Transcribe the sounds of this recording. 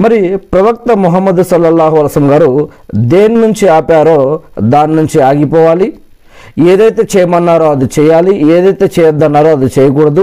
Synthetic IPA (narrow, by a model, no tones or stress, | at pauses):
mɐɾipɾɐʋɐk̚t̪ɐmuɦɐmːɐd̪usɐlːɐlːaːɦuɐlɐsɐmɡaːɾud̪eːnnuɲt͡ʃiaːpaːɾoːd̪aːnnuɲt͡ʃiaːɡipɔʋaːli | eːd̪ɐjt̪et͡ʃɛːjmɐnːaːɾoːɐd̪ut͡ʃɛjaːlieːd̪ɐjt̪et͡ʃɛːjɐd̪ːɐnːaːɾoɐd̪ut͡ʃɛːjɐk̬uːɽɐd̪u